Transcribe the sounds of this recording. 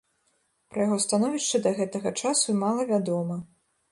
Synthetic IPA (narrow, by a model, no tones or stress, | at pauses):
pɾɐjaɣɔst̪anɔvʲiʂt͡ʂɐd̪ɐɣɛt̪ɐɣɐt͡ʂasuimalˠɐvʲad̪ɔmɐ